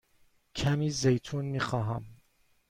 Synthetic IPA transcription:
kʰæmiːzejt̪ʰuːnmiːxɑːɦæm

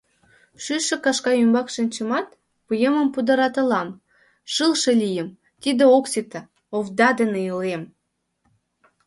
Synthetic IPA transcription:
ʃyʃĕkɑʃkɑymbɑkʃənʲt͡ɕə̆mɑt̪ | pujeməmpud̪ə̆ɾɑt̪ə̆lɑm | ʃɨlʃelʲijəm | t̪id̪eoksit̪ə | ovd̪ɑd̪əneəlem

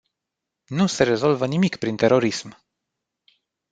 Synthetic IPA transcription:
nuse̞ɾe̞zo̞lvənimikpɾint̪e̞ɾo̞ɾism

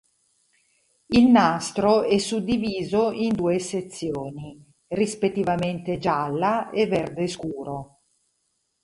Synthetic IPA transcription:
ilnast̪ɾoɛsːud̪ːiviːzoind̪uːeset̪sːjoːni | rispet̪ːivament̪ed͡ʒalːaevːɛrd̪eskuːɾo

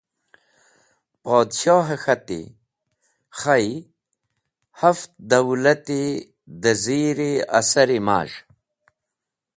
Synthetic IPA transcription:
poːd̪ɕoːɦaxɐt̪ḭ | xaj | haft̪d̪ɐwlɐt̪i | d̪əziːɾea̰saɾima̰ːʒ

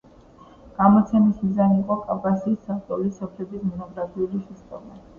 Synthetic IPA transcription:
ɡ̥amɔt̪sʰɛmismizaniiqʼɔkʼavkʼasiːsːaft̪ʼɔlisːɔpʰlɛb̪ismɔnɔɡɾapʰiulisɛst̪ʼɔma

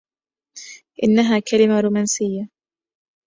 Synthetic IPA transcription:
ʔɪnːaɦaːkalɪmaɾuːmaːnsɪjːa

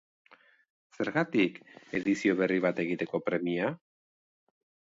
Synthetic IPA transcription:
se̞ɾɣat̪ike̞ðisio̞βe̞riβ̞at̪e̞ɣ̞it̪e̞ko̞pɾe̞mia

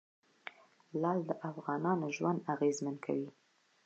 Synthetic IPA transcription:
lɑld̪əʔafɣɑnɑnoʒwand̪aɣezmankʰa̰wi

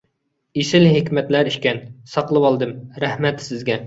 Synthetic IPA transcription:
isɪlɦɪkʲmɛt̪læɾiʃkʲɛnsɑqlˠɨwɑlˠd̪ɨmɾæhmɛt̪sɪzɡʲɛ

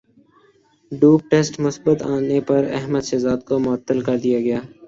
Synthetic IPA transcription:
ɖuːp̚ʈesʈmʊsbət̪aːnepɐɾɛ̰ɦməd̪ʃɐzaːd̪̚komʊət̪ːəlkɐɾd̪ijaːɡɪjaː

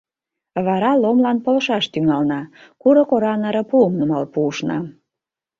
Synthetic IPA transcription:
βɑɾɑlomlɑnpolʃɑʃt̪yŋɑlnɑ | kuɾɤ̆koɾɑnəɾə̆puəmnumɑlpuːʃnɑ̰

